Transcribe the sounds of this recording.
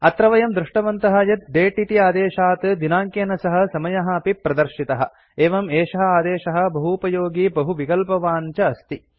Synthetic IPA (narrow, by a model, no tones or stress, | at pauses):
ɐt̪ɾɐʋɐjɐmd̪ɾuʂʈɐʋɐnt̪ɐɦɐjɐt̪̚ɖ̪eːʈiʈ̪iaːd̪eːʃaːt̪d̪inaːŋkeːnɐsɐɦɐ̆sɐmɐjɐɦɐɐpipɾɐd̪ɐɾʃit̪ɐɦɐ̆ | eːʋɐmeːʂɐɦɐaːd̪eːʃɐɦɐ̆bɐɦuːpɐjoːɡiːbɐɦuʋikɐlpɐʋaːɲt͡ʃɐːst̪i